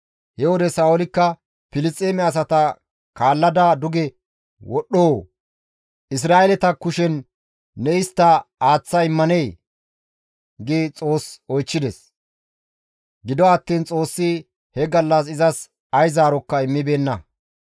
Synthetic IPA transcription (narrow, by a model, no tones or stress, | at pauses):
hɛwɔd̪ɛsaːwɔlɪkːɐ | pɪlɪt͡sʼːeːmɛɐs̬ɐt̪ɐ | kaːlːɐd̪aːd̪ʊɡɛ | wɔɗːoː | ʔɪs̬ɾaːʔɛlɛt̪ɐkʊʃɛnː | ɛɪst̪ːɐaːt͡sːɐɪmːɐneː | ɡiːt͡sʼo̞ːsɔjt͡ʃːɪd̪ɛs | ɡɪd̪ɔɐt̪ːiːnt͡sʼo̞ːsːi | hɛɡɐlːɐs̬ɪzɐs | ɐjzaːɾɔkːɐɪmːɪbe̞ːnːɐ